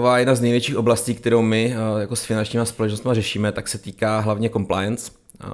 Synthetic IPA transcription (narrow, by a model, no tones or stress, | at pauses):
vaːjɛdnaznɛjvjɛt͡ʃiːxʔo̞blasciːk̚t̪ɛɾowmɪjako̞sfɪnant͡ʃɲiːmaspo̞lɛt͡ʃnost̪marɛʃiːmɛt̪aksɛt̪iːkaːɦlavɲɛko̞mpla̰jɛnt͡s